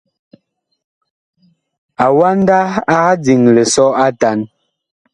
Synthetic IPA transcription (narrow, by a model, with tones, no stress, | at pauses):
a˨wa˦n˦da˦a˦a˦d͡zi˨ŋlɛ˨sɔ˦a˦ta˨˦n